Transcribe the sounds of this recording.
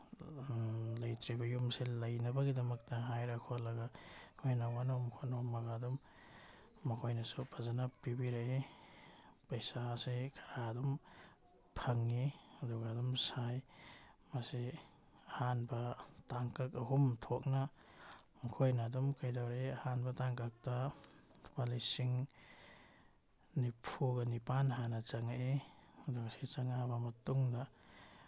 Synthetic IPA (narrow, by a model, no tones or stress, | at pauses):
lajtɾibɐjumselɐjnɐbɐɡidɐmɐk̚tɐɦajɾakʰolɐɡakʰojnawanomkʰonomɐɡadɔmː | ɐkʰojnɐsupʰazanapibiɾae | pɐjsasekʰḁɾadɔm | pʰɐŋːiɐduɡadɔmsajmase | ahanbataŋkakaɦumtʰɔk̚na | ŋkʰojnadɔmkʰajdawɾeahanbataŋkak̚ta | palisiŋ | nipʰuɡanipanɦanat͡ʃaŋaedɔɡaset͡ʃaŋabamɐtuŋda